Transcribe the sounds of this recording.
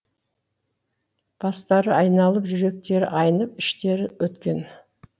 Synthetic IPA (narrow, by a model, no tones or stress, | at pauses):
b̥ɑst̪ɑɾəɑjnɑlˠəpʒʏɾe̞k̚t̪e̞ɾɪ̰ʔɑjənəp̚ɪʃt̪e̞ɾɪwɵt̪kʲe̞n